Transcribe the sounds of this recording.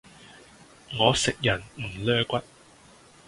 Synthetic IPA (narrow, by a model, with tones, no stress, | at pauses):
ŋɔː˨˧sɪ˨k̚jɐ˨˩nm̩˨˩lœː˥kʷɐ˥t̚